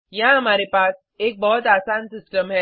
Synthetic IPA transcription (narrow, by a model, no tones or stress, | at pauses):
jɦãɦɐmaːɾepaːs | eːk̚bɔɦɔt̪̬aːsaːnsɪsʈəmɦɛː